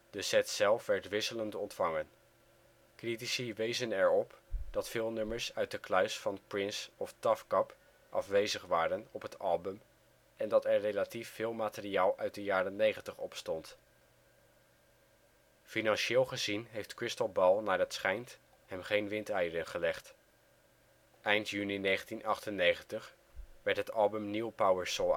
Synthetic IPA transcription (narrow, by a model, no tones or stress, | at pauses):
dəzɛtsɛlˠfʋɛɹtʋɪsələntɔntfɑŋən | kritisiʋejzənɛɹɔpd̥ɑtfɪːlˠnɵməɹsœɥt̚dəklœɥsfɑnprɪnsɔftɑfkɑp | ʔɑ̰fʋejzəχʋaːɾənɔpɦətɑ̰lˠbəm | ʔɛndɑtɛɹrejlatifːɪːlˠmaːtəriaːlˠʔœɥt̚dəjaːɾənejχəntəχɔpstɔnt | finɑnʃeːlˠχəzinɦejftkɹɪstəlˠbɛlˠnaːɹdɑtsχɛjnt | hɛmχejnʋɪntɛjədəχəlɛχt | ʔɛjntjyninejχəntinʔɑχtənːejχəntəχ | ʋɛɹtɦətɑlˠbəmniwpawəɹsɔ